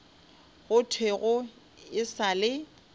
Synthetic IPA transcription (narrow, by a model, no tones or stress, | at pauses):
ɣʊtʰweɣʊ | ɪsalɪ